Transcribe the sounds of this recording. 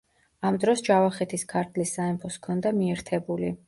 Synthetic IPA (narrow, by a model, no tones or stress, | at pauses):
amd̪ɾɔsd͡ʒavaχɛt̪ʰiskʰaɾt̪ʰlisːaɛmpʰɔskʰɔnd̪amiɛɾt̪ʰɛbuli